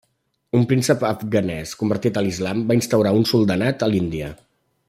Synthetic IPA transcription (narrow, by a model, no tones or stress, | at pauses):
umpɾinsəpəfɣənɛskumbəɾt̪it̪əlizlambainst̪əwɾaunsulˠd̪ənat̪əlind̪iə